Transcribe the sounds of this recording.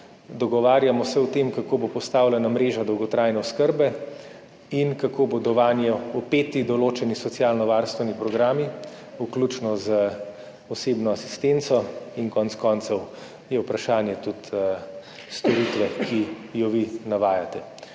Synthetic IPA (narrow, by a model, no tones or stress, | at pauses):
d̪ɔɡɔʋaːɾjamɔsɛwt̪emkakoːbopɔst̪aːwlɛnamɾeːʒad̪ɔwɡɔt̪ɾaːjnɛɔskəɾbɛ | inkakʰoːbod̪ɔʋaːnjɛupeːt̪id̪ɔloːt͡ʃɛnisɔt̪sjaːlnɔʋaɾst̪ʋɛnipɾɔɡɾaːmi | uklut͡ʃnɔzə | ɔseːbnɔasi̥st̪ent̪sɔinkɔnt̪skɔnt̪sɛw | jɛupɾaʃaːnjɛt̪ut̪ | st̪ɔɾit̪ʋɛkʰijɔʋinaʋaːjat̪ɛ